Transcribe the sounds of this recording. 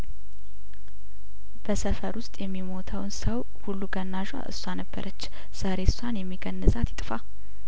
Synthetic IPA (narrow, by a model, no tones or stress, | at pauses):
b̥əsəfəɾwʊst̪ʼjɛmːimo̞t̪ʰəwnsəw | hulːuɡənːaʒa̰ʔɨ̰sːanəbːə̰ɾʔət͡ʃː | z̥aɾe̞sanjɛmːiɡənːəzʼat̪jɪt̪ʼɨfa